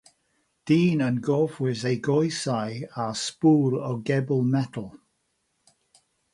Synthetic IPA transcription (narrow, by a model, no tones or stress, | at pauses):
d̥iːnənɡɔːfwɪzejɡɔjsajaspuːlɔɡɛbəlˠmɛtʰəl̩ˠ